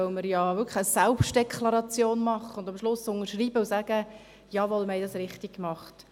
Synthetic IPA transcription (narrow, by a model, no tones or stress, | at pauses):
œʊməɾjɑʋʏkχəsɛlpʃtd̥ekʰlɑɾɑt͡sjoːnmɑχəʊnd̥ɑmʃlʊsʊnəɾʃriːbəusæːɡ̥ə | jɑːʋɔlmhɛɪdɑsɾɪχtikkmɑχt